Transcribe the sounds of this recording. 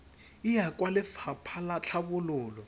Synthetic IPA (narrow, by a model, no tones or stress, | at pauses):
ijakʼwalɪfʰapʰalat͡ɬʰaβʊlʊːlɔ